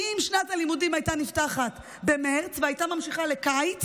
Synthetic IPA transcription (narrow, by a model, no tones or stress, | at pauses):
imʃnatalimudimajtaniftaχat | be̞me̞ʁt͡sveajtamamʃiχale̞kajt͡s